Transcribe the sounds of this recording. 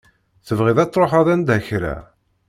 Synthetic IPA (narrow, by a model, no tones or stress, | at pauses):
θəvʁiðæt͡sːˤɾˤoħɑðænd̪əçɾæ̰